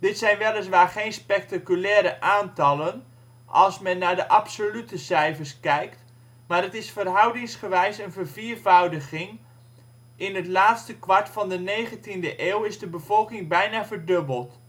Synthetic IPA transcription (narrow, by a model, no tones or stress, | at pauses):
d̥ɪtsɛjnʋɛlˠəs̬ʋaːɹχejnspɛk̚takylɛːɾəʔaːntɑlən | ʔɑ̰lˠsmɛnːaːɹdəʔɑpsolytəsɛjvəɹskɛjkt | maːɾətɪsfərɦʌwdɪŋsχəʋɛjsənvəɹviːɹvʌwdəχɪŋ | ʔɪnɦətlaːtstəkʋɑɹtfɑndənejχəntindəʔeːwɪzdəbəv̥ɔlˠkɪŋbɛjnaːvəɹdɵbəlˠt